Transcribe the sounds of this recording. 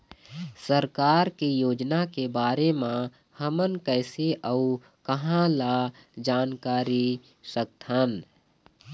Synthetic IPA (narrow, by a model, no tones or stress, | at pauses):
səɾkaːɾkejoːd͡ʒnakebaːɾemã | həmənkəɪseʔəu | kəɦãla | d͡ʒaːnkaːɾi | sək̚t̪ɦən